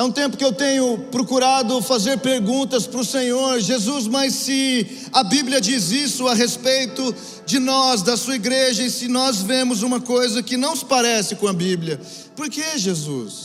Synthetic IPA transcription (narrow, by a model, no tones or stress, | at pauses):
ɛũt̪ẽmpʊ̥kɪewt̪ẽɲʊpɾokuɾad̪ʊfazeɾpeɾɡũnt̪ɐspɾʊsẽɲoɾʒezuzmɐsːɪ | ɐbibliɐd͡ʒizisʊɐɦespejt̪ʊ | d͡ʒɪnɔzd̪ɐsuɐiɡɾeʒɐɪsɪnɔzvẽmʊzũmɐkojzɐkɪnɐ̃w̃sɪ̥paɾɛsɪkõɐbibljɐ | poɾkeʒezṵs